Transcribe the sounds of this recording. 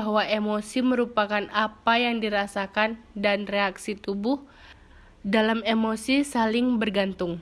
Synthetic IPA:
aɦwaʔemosiməɾupakanʔapajaŋdiɾasakandanreaksit̪ubʊh | dalamemosisalɪŋbərɡant̪ʊŋ

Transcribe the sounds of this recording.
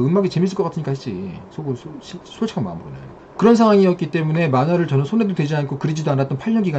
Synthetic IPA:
ɯnmaɡit͡ɕe̞mis͈ɯɭkʌk͈atʰɯɲik͈ahet͡ɕ͈ḭsʰoɡɯsʰoɕʰisʰoɭt͡ɕʰkʰama̰mbɯɾona̰jo | kɯɾʌnsʰaŋwaŋiʌt̚k͈it͈e̞mune̞manaɾɯɭt͡ɕʌnʌsʰone̞dodwe̞d͡ʑiankʰokɯɾid͡ʑidoanːat͈ʌnpʰaɭːʌɡiɡa

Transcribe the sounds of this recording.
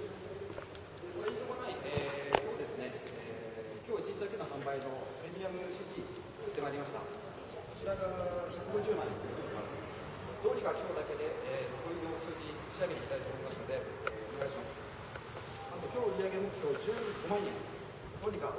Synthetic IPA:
ekoɾeit̪okonaieːkʲoːd̪e̞sɨne̞eː | kʲo̞ːit͡ɕisak̪enohãmbaino̞pɾedʲiamɯ̟ɕitʲi | t͡sɨ̥kɯ̟t̪ːe̞maiɾʲimaɕi̥t̪a̰ | ko̞t͡ɕiɾaɡaçakɯ̟ɡoʑɨːmãẽt͡sɨ̥kɯ̟t̪ːemasɨ̥ | d̪o̞ːɲ̟ʲikakʲo̞ːd̪ake̞d̪e̞ʔeokoid̪o̞ːsɨːʑi̥ | ɕiaɡeeikʲi̥t̪ait̪oːmoimasɨno̞d̪e̞ | eone̞ɡaiɕimasɨ̥ | at̪o̞kʲo̞ːɾʲiaɡe̞moo̞ːd͡ʑɨːikːomãɰ̃jẽ̞ŋ | d̪oɲʲika

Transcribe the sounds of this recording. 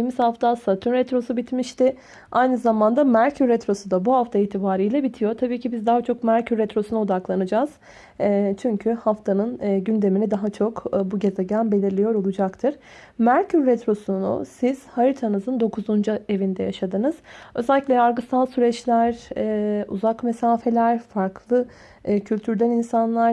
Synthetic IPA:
jimizhaft̪ʰasat̪ʰynɾɛt̪ɾo̞subit̪miʃt̪ɪ | ajnɯzamand̪amæɾcʰyɾːɛt̪ɾo̞sud̪abuhaft̪ʰaiːt̪ʰibaːɾijlʲɛbit̪ʰijo̞ɾt̪ʰabiːcʰibizd̪aɦat͡ʃʰo̞kmæɾcʰyɾːɛt̪ɾo̞sunuo̞d̪aklˠanɯd͡ʒaːz̥ | t͡ʃʰyɲcʰyhaft̪ʰanɯnɟynd̪e̞minid̪aɦat͡ʃʰo̞kbuɟe̞zeɟænbe̞lʲiɾlʲijo̞ɾo̞lˠud͡ʒakt̪ʰɯɾ̥ | mæɾcʰyɾːɛt̪ɾo̞sunṵsiz̥haɾit̪ʰanɯzɯnd̪o̞kʰuzund͡ʒue̞vind̪ɛjaʃad̪ɯnɯz̥ø̞zælʲiclʲɛaɾɡɯst̪ʰalˠsyɾɛt͡ʃlʲæɾɛṵzakme̞saːfe̞lʲæɾ̥faɾklˠɯ | cʰylʲt̪ʰyɾd̪æninsanlˠaɾ

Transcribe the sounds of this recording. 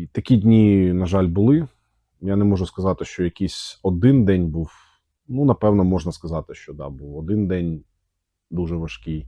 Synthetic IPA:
t̪ɐkʲidʲnʲinɐʒɑlʲbʊlˠɪ | janɛmɔʒʊskɐzɑt̪ɪʃt͡ʃɔjɐkʲisʲɔd̪ɪnd̪ɛnʲbuw | nunɐpɛwnɔmɔʒnɐskɐzɑt̪ɪʃt͡ʃɔd̪ɑ̰buwɔd̪ɪnd̪ɛnʲ | d̪uʒɛʋɐʃkʲɪj

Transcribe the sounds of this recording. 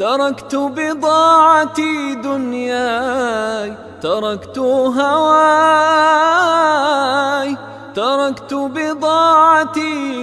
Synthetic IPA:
t̪ɑɾˤɑkt̪ʊbɪd̪ˤɑːʕɑt̪id̪ʊnjaː | j | t̪ɑɾˤɑkt̪ʊɦawaː | j | t̪ɑɾˤɑkt̪ʊbɪd̪ˤɑːʕɑt̪i

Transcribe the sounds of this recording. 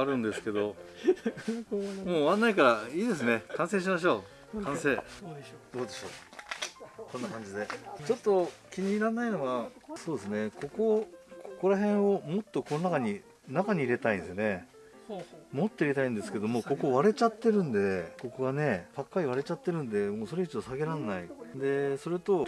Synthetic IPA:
aɾɯ̟̃nd̪esɨ̥ke̞d̪o̞ | moːβãnːaikaɾaiːd̪e̞s̬ɨne̞kãɰ̃sẽ̞ɕ̬imaɕ̬o̞ː | kʰãɰ̃se̞ːd̪̥o̞ːd̪e̞ɕo̞̰ː | kõ̞nːakãɲ̟d͡ʑid̪e̞t͡ɕo̞t̪ːo̞kʲiɲ̟inanːaino̞ɡaso̞ːd̪esɨne̞ko̞ko̞kʰoko̞ɾaɦẽ̞ɰ̃o̞mo̞t̪ːo̞ko̞no̞nakaɲ̟i | nakaɲ̟iiɾe̞t̪aĩnd̪esne̞ | mot̪ːo̞iɾe̞t̪aĩnd̪e̞sɨ̥ke̞d̪o̞mo̞ːko̞ko̞βaɾe̞t͡ɕat̪ːe̞ɾɯ̟̃nd̪e̞ko̞koɡane̞b̥akːaɾʲiβaɾe̞t͡ɕat̪ːe̞ɾɯ̟̃nd̪e̞mo̞ːso̞ɾeit͡ɕid̪osaɡeɾanːaid̪e̞so̞ɾet̪o̞

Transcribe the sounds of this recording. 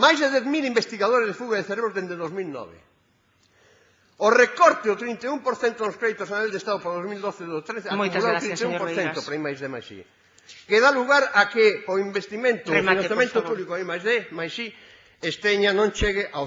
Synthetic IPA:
majzðeðɛθmilimbest̪iɣaðoɾezðefuɣaðeθeɾeβɾozðend̪eðozmilnɔ̰βḛ | orekɔɾt̪ɪðot̪ɾint̪eumpoɾθent̪onoskɾeðjt̪osanaald̪est̪aðopɾðozmild̪oθeðot̪ɾeθeaumkulat̪ɾit̪eumpoɾθθent̪opɾaijmajzðema̰jsḭ | keðaluɣaɾakeoimbest̪imẽnt̪ofinãθjamẽnt̪opuβlikoaimajzðemajsi | est̪eɲanõnt͡ʃeɣɪʔa

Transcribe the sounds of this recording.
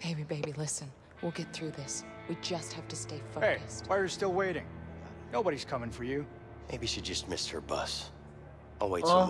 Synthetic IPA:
b̥eɪbibeɪbilɪsɨ̃n | wilˠɡɛt̪̚θɹʉðɪs | wid͡ʒʌst̚hæftɨsteɪfəeɪstwaɨstɪlˠweɪɾɪ̃ŋ | noʊbəɾiz̥kʰʌmɪ̃ŋfə˞jʉ | meɪbiʃidd͡ʒʌst̚mɪst̚hə̰˞bʌ̰s | ʔalˠweɪt

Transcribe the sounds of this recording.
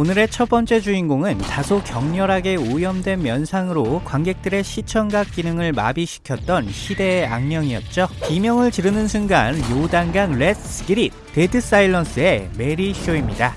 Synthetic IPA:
onɯɾe̞t͡ɕʰʌp͈ʌnt͡ɕ͈e̞d͡ʑuinɡoŋɯntasʰokjʌŋɲʌɾɦaɡe̞ojʌmdwe̞nmjʌnsʰaŋɯɾokwaŋɡe̞k̚t͈ɯɾe̞ɕʰit͡ɕʰʌŋɡak̚k͈inɯŋɯɭma̰biɕʰi̥kʰjʌt̚t͈ʌnɕʰide̞a̰ŋmjʌŋiʌt̚t͡ɕ͈opimjʌŋɯɭt͡ɕiɾɯnɯnsʰunɡa̰njodaŋɡaŋɭe̞sʰɯɡiɾit̚ | t͈edɯs͈aiɭːʌns͈ɯe̞me̞ɾiɕʰoimɲida

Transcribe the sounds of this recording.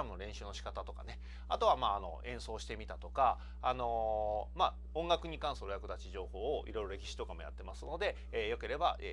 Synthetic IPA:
amɯ̟no̞ɾẽɰ̃ɕɨːnoɕi̥kat̪at̪oka̰ne̞ | at̪o̞βamaːno̞̰ẽ̞ɰ̃so̞ːɕi̥t̪e̞mʲit̪at̪o̞kaː | no̞ma | õŋɡakɯ̟ɲ̟ikãɰ̃soɾojakɯ̟d̪at͡ɕiʑo̞ːho̞ːʔḭɾo̞iɾo̞ɾe̞kʲi̥ɕi̥t̪o̞kamo̞ja̰t̪ːe̞masɨno̞d̪e̞ː | jo̞ke̞ɾe̞baʔe

